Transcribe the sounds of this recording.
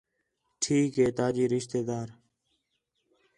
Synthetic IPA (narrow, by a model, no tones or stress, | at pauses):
ʈʰiːkɦeːt̪aːd͡ʒiːɾɪʃt̪eːd̪aːɾ